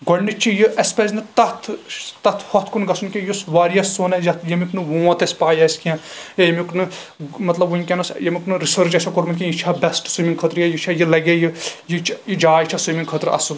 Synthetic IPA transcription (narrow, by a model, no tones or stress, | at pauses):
ɡɔɽnit͡ʃʰijɨʔɐspezʲnɨt̪ɐt̪ʰt̪ɐt̪ʰhɔt̪ʰkunɡɐsʰunkʲijusʋaːɾijɐsːoːnɐzɐt̪ʰjɐmʲiknɨʋõːt̪ɐsʲpaːjɐsʲkiãːjejɐmʲiknɨmɐt̪lɐbuinʲkʲɐnɐsjɐmʲiknɨɾisəɾt͡ʃɐsʰʲakoɾmɐlʲkʲijit͡ʃʰaːbɛsʈsumʲiŋkʰət̪ɾjɐjit͡ʃʰajilɐɡejɨjit͡ʃjid͡ʒaːit͡ʃʰasumiŋkʰət̪ɾɐ̰su